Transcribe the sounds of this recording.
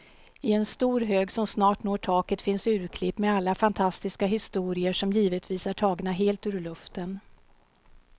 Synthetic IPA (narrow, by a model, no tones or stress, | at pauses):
ɪɛnst̪uːɾɦøːɡsɔmsnɑːʈnoːʈʰɑːkət̪fɪnsʉ̟ːɾkʰlɪpːmɛalːafant̪ʰast̪ɪskaɦɪst̪uːɾɪəʂɔmjiːvət̪viːsæʈʰɑːɡnaɦeːlt̪ʉːɾɭɵft̪ən